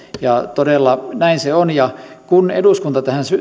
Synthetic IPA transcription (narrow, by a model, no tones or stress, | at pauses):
jɑt̪odelːɑnæinseonjɑkunḛduˑskunt̪ɑt̪æhæˑnsy